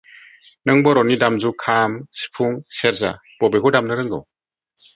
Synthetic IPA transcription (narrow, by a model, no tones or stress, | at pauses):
nɯŋbɔɾɔnidamzukʰamsi̥pʰuŋseɾza̰ | b̥ɔbeɦudamnɯɾɯŋɡɯ̰w